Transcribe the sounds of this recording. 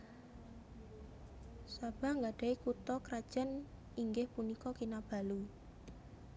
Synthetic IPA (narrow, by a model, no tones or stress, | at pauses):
sab̥a̤ŋɡaɖ̥a̤ikut̪ɔkɾad̥ʒ̥ən | iŋɡɪhpunikɔkinab̥a̤lu